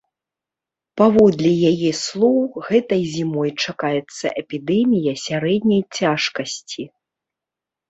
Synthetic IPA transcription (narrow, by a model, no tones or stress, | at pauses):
pavɔd̪lʲijajɛslˠɔwɣɛt̪ɐjzʲimɔjt͡ʂakajɛt̪sːɐ̰ʔɛpʲid̪ɛmʲijɐsʲaɾɛd̪nʲɐjt͡sʲaʂkɐsʲt͡sʲi